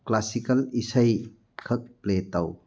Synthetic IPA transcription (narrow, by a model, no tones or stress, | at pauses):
klasikɐlisɐj | kʰɐk̚pletaw